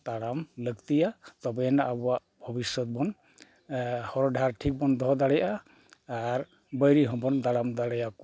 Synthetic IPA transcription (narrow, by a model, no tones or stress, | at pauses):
t̪aɽamləkt̪ijat̪ɔbɛnaʔabuwaʔ | bʱɔbisɔt̪̚bɔn | hɔɾɔdʱaɾʈʰik̚bɔnd̪ʱɔd̪aɽɛjaː | ɹ | bəjɾiɦɔbɔnt̪aɽamd̪aɽɛjak